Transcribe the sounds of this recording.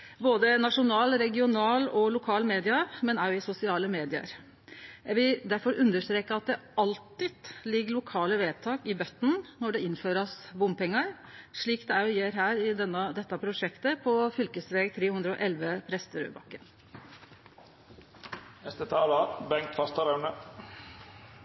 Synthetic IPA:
boːd̪ənɑʂʊnɑːlɾɛɡɪʊnɑːlɔlʊkʰɑːlmeːd̪ɪɑmɛnæɾjʊɪsʊsɪɑːləmeːd̪ɪə̰ɾ | jæʋɪld̪æɾfɔɾʉnd̪əʂt̪ɾeːkəɑt̪̚d̪ɛɑlt̪ɪd̪̥lɪɡːəɭʊkʰɑːləʋeːt̪ʰɑːkɪbœt̪ːn̩nɔɖɛɪnføːɾɑsbʊmpɛŋːɑɾ | ʂɭiːkd̪ɛæɾjʊjeːɾɦæːɾɪd̪ɛnːəd̪ɛt̪ːɑpʰɾʊʂɛkt̪əpʰɔfʏlkəsʋeːɡt̪ʰɾeːhʉnd̪ɾəɔʔɛlʋəpʰɾɛst̪əɾʉ̰ːbɑ̰kːən | nɛst̪ət̪ʰɑːlɑbɛŋkt̪fɑst̪ɑɾæʉɳə

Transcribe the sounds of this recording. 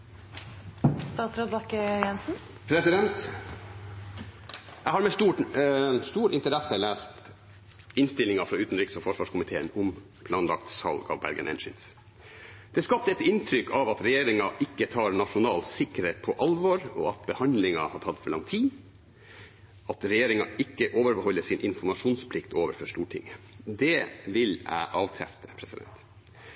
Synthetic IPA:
st̪ɑːt̪sɾoːd̪bɑkəjɛnsn̩ | pʰɾɛsɪd̪ɛnt̪ | jæɪhɑɾmɛst̪uː | st̪uːɾɪnt̪əɾɛsəlæːst̪ | ɪnst̪ɪlɪŋɑfɾɑʉːt̪n̩ɾiːksofɔʂʋɑːʂkʰʊmɪt̪ʰeːənʊm | pʰlɑːnlɑ̰k̚t̪sɑ̰lɡɑ̰ːʋbæ̰ɾɡə̰nʔɛ̰nʃɪ̰ns | d̪̥ɛskɑp̚t̪əɛt̪ɪnt̪ʰɾʏkʰɑʋɑt̪ɾɛjeːɾɪŋɑʔɪkːət̪ʰɑːɾnɑʂʊnɑːlsɪkːəɾheːt̪̚pʰɔʔɑlʋoɾɔ̰ɑt̪̚bəhɑnd̪lɪŋɑhɑtʰɑt̪ːfɔɭɑ̰ŋt̪ʰiː | ɑt̪ɾɛjeːɾɪŋɑʔɪkːəʔoːʋəɾbəhɔlːəʂɪnʔɪnfɔɾmɑʂuːnspʰlɪkt̪oːʋəɾfɔʂt̪uːʈʰɪ̰ŋːə | d̪ɛʋɪlæ̰ɪʔɑːʋkʰɾæ̰ft̪ʰə̥pʰɾɛsɪd̪ɛ̰nt̪

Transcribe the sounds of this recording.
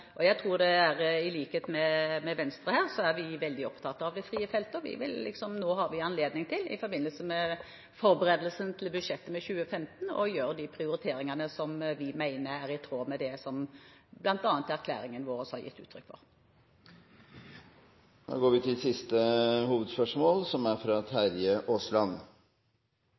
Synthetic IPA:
ʔɔjæɪt̪ʰʁuːɾd̪ɛæʁɪliːkheːt̪mɛmɛʋɛnst̪ɾəhæːʁsɔæʁʋɪʋɛld̪ɪɔpt̪ʰɑt̪ːɑʋd̪ɛfʁiːəfɛlt̪əʋɪ̰ʋɪ̰lːɪ̰ksɔmnoːɦɑɾʋɪɑnleːd̪nɪŋt̪ʰɪlɪ̰fɔɾbɪnːəlsəmɛ | fɔɾbəɾeːd̪əlsənt̪ʰɪlbʉd̪ʂɛt̪ːəmɛçʉːəfɛmt̪n̩ɔ̰jøːɾd̪ɪpʰɾɪʊɾɪt̪ʰeːɾɪŋɑnəsɔmʋɪmæɪnəɾæʁɪt̪ʰɾoːmɛd̪ɛsɔmblɑnt̪ɑːnt̪æʁkʰlæ̰ːɾɪŋənʋoːɾəshɑɾjɪ̰t̪ːʉ̰ːt̪ʰːɾʏkːfɔ̰ʁ | no̰ːɡoːɾʋɪt̪ʰɪlsɪst̪əhuːʋəd̪spœʂmoːlsɔmæɾfɾɑt̪ʰæɾjəʔoːslɑn

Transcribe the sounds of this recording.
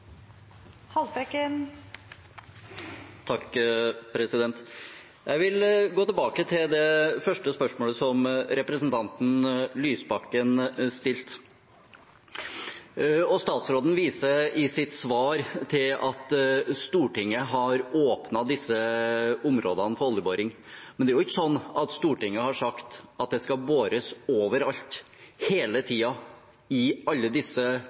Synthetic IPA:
hɑlbɛkə | t̪ʰɑkːpʰɾɛsɪd̪ɛnt̪ | jæɪʋɪlɡoːt̪ɪlbɑːkət̪ʰɪld̪ɛfœʂʈəspœʂmoːləsɔmɾɛpɾəsən̩t̪ʰɑnt̪n̩lyːsbɑkːənst̪ɪlt̪ | ɔst̪ɑːt̪sɾoːd̪n̩ʋiːsəɪsɪt̪sʋɑːɾt̪ʰɪlɑt̪st̪uːʈɪŋːəɦɑɾoːpnɑd̪ɪsːəʊmɾoːd̪ənəfɔɾɔlːəboːɾɪŋ | mɛnd̪ɛæɾʊɪçːəsɔnːɑt̪st̪uːʈɪŋːəhɑʂɑkt̪ɑt̪̚d̪ɛskɑboːɾəsoːʋəɾɑlt̪ | heːlət̪ʰiːɑ | ɪɑlːəd̪ɪsːə

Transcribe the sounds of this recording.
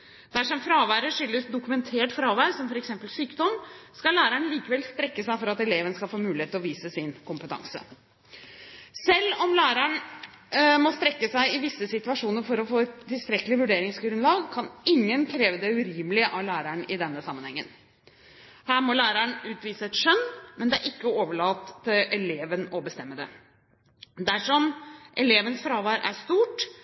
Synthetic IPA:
d̪̥æʂɔmfɾɑːʋæːɾəʂʏlːəsd̪ʊkʉmɛnt̪ʰeːʈfɾɑːʋæːɾsɔmfɔɾɛksɛmpəlsyːkd̪ɔmskɑlæːɾəɳliːkəʋɛlst̪ɾɛkːəsæɪfɔɾɑt̪ɛleːʋənskɑlfoːmʉːlɪeːt̪ːɪlɔʋiːsəsɪnkʰʊmpət̪ʰɑ̰ŋsə̰ | sɛlːɔmlæːɾəɳ | mɔst̪ɾɛkːəsæɪɪʋɪsːəsɪt̪ʉɑʂuːnəɾfɔɾɔfoːɛt̪ʰːɪlst̪ɾɛkːlɪʋʉɖeːɾɪŋsɡɾʉnlɑːɡkʰɑnɪŋːənkʰɾeːʋəd̪ɛʉɾiːməlɪəʔɑʋlæːɾəɳɪd̪ɛnːəsɑmənhɛŋːə̰n | hæːɾmɔlæːɾəɳʉːt̪ʋiːsəɛt̪ʂœnːmɛnd̪ɛæʔɪkːəoːʋəɭɑːt̪ːɪlʔɛleːʋənɔbəst̪ɛmːəd̪ɛ̰ | d̪æʂɔmʔɛleːʋənsfɾɑːʋæːɾʔæ̰ʂt̪uːʈ

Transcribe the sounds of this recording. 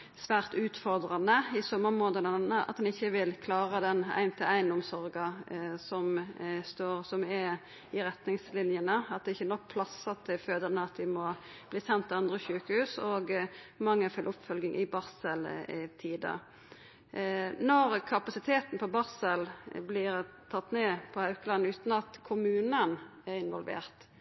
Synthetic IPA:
sʋæːʁt̪ʉːt̪fɔʁd̪ʁɑnəɪsɔmːəʁmoːnd̪ənɑnːəʔɑ̰t̪̚d̪ɛnɪçːəʋɪlkʰlɑːʁəd̪ɛnæ̰ɪnt̪ʰəæɪnʊmsɔʁɡɑsɔmst̪oːʁsɔmɛ | ɪɾɛt̪nɪŋslɪnjənəɑt̪̚d̪ɛɪçːənɔk̚ːpʰlɑsːɑt̪ʰɪlføːd̪əʁnəɑt̪̚d̪ɪmɔ | b̥liːsɛnt̪ɪɑnd̪ʁəçʉːkəhʉːsɔːɡmɑŋːəɛfʏlʔʊpfœlɡɪŋʔɪ̰bɑʁsəlt̪ʰiːd̪ə̰ | nɔɾkʰɑpɑsɪt̪ʰeːt̪n̩pɔbɑʁsəlblɪɾt̪ʰɑt̪ːneːpʰɔhɑʉkəlɑnʉːt̪n̩ɑt̪kʰʊmʉːnənæɾɪnʋɔlʋḛːʁt̪

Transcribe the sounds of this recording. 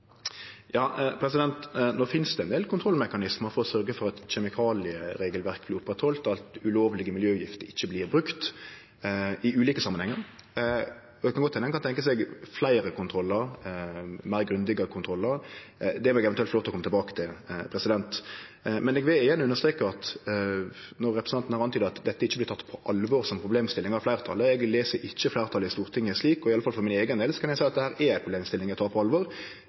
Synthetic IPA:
jɑːpʰɾɛsɪd̪ɛnt̪noːfɪnsd̪ɛɛnd̪eːlkʊnt̪ʰɾɔlmɛkɑnɪsməɾfɔɾɔsœɾɡəfɔɾɑt̪ɕɛmɪkʰɑːlɪəɾeːɡəlʋæɾk̚blɪɾʊpːʁɛt̪hɔlt̪ɑlt̪ʉloːʋlɪɡəmɪljøːʉjɪft̪əɾɪçːəblɪːɾbɾʉkt̪ | ɪʉːliːkəsɑmːənhɛŋːəɾ | ɔɛɡkʰɑnɡɔt̪ʰːɛnəŋkɑnt̪ɛŋkəsɛɡflæɪɾəkʊnt̪ʰɾɔlːəɾ | mæɪɾɡɾʉnd̪ɪɡəkʰʊnt̪ʰɾɔlːəɾd̪ɛʋɾɛɡɛʋɛnt̪ʉɛlt̪lɔt̪ːɔkʰɔmət̪ɛlbɑːkə̥t̪ʰɪlpʰɾɛsɪd̪ɛnt̪mɛnɛɡʋɪlɪjænːəʉnːəʂt̪ɾeːkəɑt̪ | nɔʁɛpɾɛsn̩ɑnt̪n̩hɑɾʁɑnt̪yːd̪əɑt̪d̪ɛt̪ːəɪçːəblɪɾt̪ʰɑt̪ːpʰɔʔɑlʋɔɾsɔmpʰɾʊbleːmst̪ɪlːɪŋəɑflæɪɾət̪ʰɑ̰ləɛɡleːsəɾʔɪc͡çːəflæɪʁət̪ʰɑləɪst̪uːʁɾt̪ʰɪŋːəsliːkɔɪɑləfɑlfɔɾmɪneːɡənd̪eːlsɔ̥kɑnæsæɪɑt̪d̪ɛhæːɾɛɾæɪtpʰʁʊbleːmst̪ɪlːɪŋæɡt̪ʰɑːpʰɔɑlʋɔɾ

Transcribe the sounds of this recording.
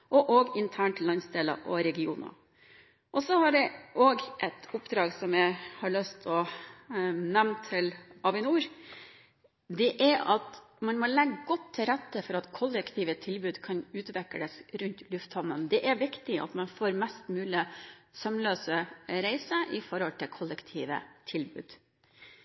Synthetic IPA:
ʔɔʔoːɡɪnt̪ʰæːɳʈlːɑnsd̪eːlɑ̰ʔɔɾɛɡɪuːnɑ̰ | ʔɔsɔhɑɖɛʔoːɡʔɛt̪ʰʊpd̪ɾɑːɡsɔmjæɪhɑɭœst̪ʰɔ | nɛmnt̪ʰːɪlɑʋɪnuːɾ | d̪ɛʔæɾʔɑt̪ | mɑnmɔlɛɡɡɔt̪ʰːɪlɾæt̪ːəfɔɾɑt̪kʰʊlːəkt̪ʰiːʋət̪ʰɪlbʉːd̪kʰɑnʉːt̪ʋɛkːəd̪ɛsɾʉnt̪lʉft̪hɔnːənd̪ɛʔæɾʋɪkt̪ɪɑ̰t̪mɑnfoːɾmɛst̪mʉːlɪsœmløːsəɾæɪsəʔɪfɔɾhɔlt̪ʰɪlkʰʊlːəkt̪ʰiːʋə̰t̪ʰɪlbʉ̰ːd̪̥

